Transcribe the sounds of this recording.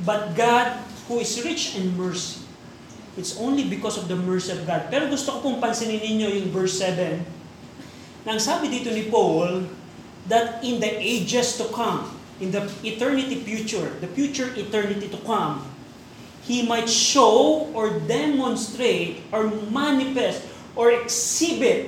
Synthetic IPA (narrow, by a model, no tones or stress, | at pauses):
bɐt̪̚ɡad̪̚huɪsɹɪt͡ʃɛ̃nd̪̚mɛɹsi̥ | ʔɪt̪sʔõw̃nlibɪkɔsɔvd̪ɐmɛɹsiɔvɡad̪̚pɛɾoɡʊst̪okopoŋpɐnsɪnɪnɪɲo̞jʊŋvɛɹsɛvɛ̃n | ɐɐŋsaːbɪd̪iːt̪onɪpol | d̪ɐt̪ɪ̃nd̪ɐʔejd͡ʒɛst̪ʊkʰãm | ɪ̃nd̪ɐɪt̪ɛɹnɪt̪ifjut͡ʃʊɹd̪ɐfjut͡ʃʊɹʔɪt̪ɛɹnɪt̪it̪ʊkɐ̃m | himajt̪ʃowʔɔɹd̪ɛmɔnst̪ɾejt̪ɔɹmanɪfɛst̪ | ʔɔɹɛksibɪt̪̚